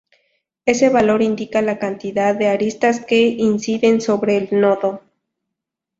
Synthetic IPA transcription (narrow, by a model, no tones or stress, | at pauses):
e̞se̞βalo̞ɾind̪ikalakant̪iðaðːeaɾist̪aske̞insiðe̞nsoβɾe̞ːlnoðo